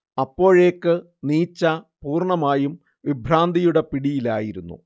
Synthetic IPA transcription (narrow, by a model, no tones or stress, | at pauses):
ɐpːo̞ːɻe̞ːkːɨ | niːt͡ɕːɐpuːrɳɐmaːjum | ʋibʱɾaːnd̪ʱijuɽe̞piɽijilaːjiɾunːṵ